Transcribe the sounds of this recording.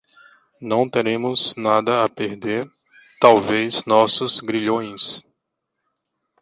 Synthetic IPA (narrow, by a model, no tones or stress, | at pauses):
nɐ̃w̃t̪eɾẽmʊznad̪ɐapeɾd̪eɾ | t̪awveznɔsʊzɡɾiʎõj̃s